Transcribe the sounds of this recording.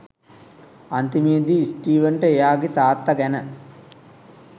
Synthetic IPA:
ɐnt̪imiəd̪iːsʈiːʋəɳʈəejaːɡit̪aːt̪ːɐɡɛnə

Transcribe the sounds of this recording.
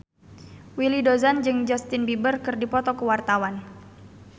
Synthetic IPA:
wilidozand͡ʒɨŋd͡ʒɔst̪inbibərkɨrdipɔt̪ɔkəwart̪awan

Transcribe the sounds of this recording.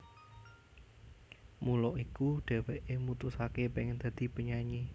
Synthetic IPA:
mulɔʔikuɖ̥ɛ̤weʔemut̪ʊsakepeŋnd̪̥a̤d̪̥i̤bəɲaɲi

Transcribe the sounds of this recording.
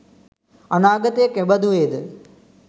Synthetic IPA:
ɐnaːɡɐt̪ekebɐd̪uʋeːd̪ɨ

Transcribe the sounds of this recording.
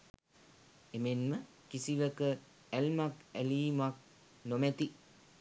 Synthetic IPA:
emenmə | kisiʋəkə | ælmakæliːmak̚ | nomæt̪i

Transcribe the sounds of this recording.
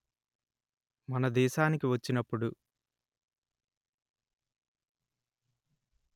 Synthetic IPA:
mɐnɐd̪ɛːʃaːnikiʋɐt͡ʃːinɐpːuɽu

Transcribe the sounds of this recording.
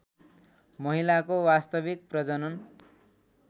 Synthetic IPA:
mʌɦilakowast̪ʌbik̚prʌd͡zʌnʌn

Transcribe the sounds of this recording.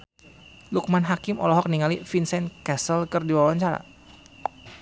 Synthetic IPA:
luk̚manɦakimɔ̰lɔɦɔk̚niŋalifinsɛnkɛsəlkɨrdiwawaɲt͡ʃaɾa̰

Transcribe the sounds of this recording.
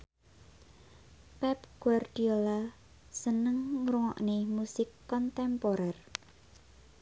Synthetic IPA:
pɛpɡ̥uward̪̥iola | sənəŋɾuŋɔ̰ʔnemusɪkːɔnt̪ɛmpoɾɛr

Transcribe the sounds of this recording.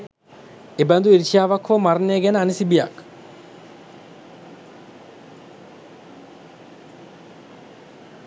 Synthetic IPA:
ebænd̪uiɾʃiaːʋakʰʋomarneɡɛnəanisibija̰k

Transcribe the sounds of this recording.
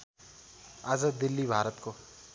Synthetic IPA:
azəd̪d̪ɪlːibʱaːɾət̪koː

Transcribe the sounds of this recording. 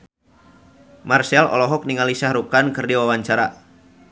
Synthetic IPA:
marsɛlɔ̰lɔɦɔk̚niŋalisahɾukankɨrdiwawaɲt͡ʃaɾa

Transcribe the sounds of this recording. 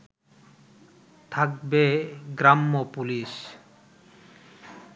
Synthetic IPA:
t̪ʰak̚beɡɾamːopuliʃ

